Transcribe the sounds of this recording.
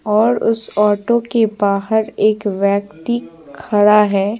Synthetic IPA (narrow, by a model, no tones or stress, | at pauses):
ɔːɾʊ̰sɔːʈokebaːɦəɾeːkʋjɛːkt̪i | kʰɐɽaɦɛː